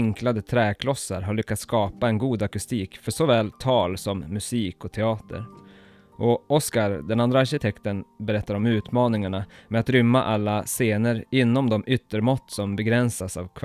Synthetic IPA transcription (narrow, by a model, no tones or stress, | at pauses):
ŋklad̪ət̪ʰɾɛːkʰlɔsːa̰ɾɦaɭʏkːat̪skɑːpaɛnɡuːd̪akɵst̪iːkfœʂɔvɛːlt̪ʰɑːlsɔmːɵsiːkɔt̪ʰɛɑːt̪ə̰ɾ | ʔɔɔskaɾd̪ɛnand̪ɾaːɾɕɪt̪ʰɛkt̪ənbɛɾɛt̪ːaɾɔmʉ̟ːt̪mɑːnɪŋaɳamɛat̪ɾʏmːa̰ʔalːaseːnəɾɪnːɔmd̪ɔmʔʏt̪ːəɾmɔt̪ːsɔmbɛɡɾɛnsasa̰vkʰv